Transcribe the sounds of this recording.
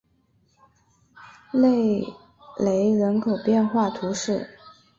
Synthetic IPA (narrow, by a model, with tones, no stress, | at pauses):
le˥˩ɪ | le˧˥ɪɻə˧˥nkʰo˨˩ʊpjɛ˥˧nxwa˥˩t̪ʰu˧˥ʂɻ̩˥˩